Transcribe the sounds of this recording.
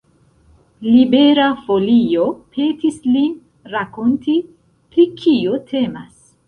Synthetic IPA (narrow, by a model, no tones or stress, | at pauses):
libe̞ɾafo̞lio̞pʰe̞tislin | ɾako̞ntʰi | pɾikʰiotʰe̞ma̰s